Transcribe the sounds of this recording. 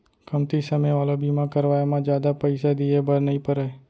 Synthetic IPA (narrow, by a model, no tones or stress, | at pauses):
kəmt̪isəməjʋalobimãkəɾʋajamãd͡ʒjad̪apəɪsad̪iebəɾnəĩpəɾəe